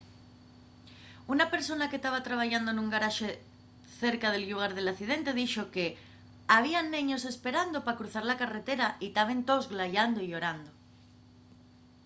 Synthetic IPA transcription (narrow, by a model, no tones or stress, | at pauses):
unape̞ɾso̞nakest̪aβ̞at̪ɾaβ̞aʝand̪onũŋɡaɾaʃe | θe̞ɾkað̞e̞lʎuɣ̞aɾðelaθiðent̪e̞ðiʃoke | aβ̞ianːeɲo̞se̞spe̞ɾand̪opakɾuθaɾlakare̞t̪e̞ɾait̪aβ̞e̞nt̪ozɣlaʎand̪oio̞ɾand̪o